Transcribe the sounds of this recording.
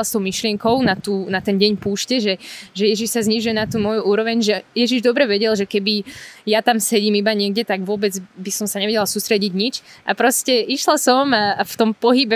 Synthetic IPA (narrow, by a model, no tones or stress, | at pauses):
lst̪ɔʊmiʃlɪɛŋkɔʊnat̪uːnat̪ɛnɟɛɲpuːʃcɛʒɛʒɛjɛʒiʃsazɲiʒujɛnat̪uːmɔjuuːɾɔʋɛɲʒɛjɛʒiʒd̪ɔbɾɛʋɛɟɛlʒɛkɛbijat̪amsɛɟiːmibaɲɪɛɡɟɛt̪aɡʋʊɔbɛd͡zbisɔmsaɲɛʋɛɟɛlsuːst̪ɾɛɟiɟɲit͡ʃʔapɾɔscɛiʃlasɔmaft̪ɔmpɔɦibɛ